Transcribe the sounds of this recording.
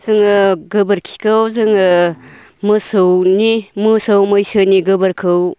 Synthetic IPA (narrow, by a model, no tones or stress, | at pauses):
zɯŋɯɡɯbɐɾkʰi̥kʰawzɯŋɯ | mɯsɯwnimɯsawmɯjsɯniɡɯbɐɾkʰɯw